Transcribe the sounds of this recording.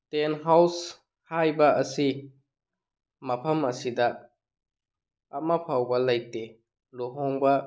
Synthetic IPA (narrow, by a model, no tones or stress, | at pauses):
tenɦaws | hajbɐɐsi | mɐpʰɐmɐsidɐ | mɐpʰawbɐlɐjtːe | loɦoŋbɐ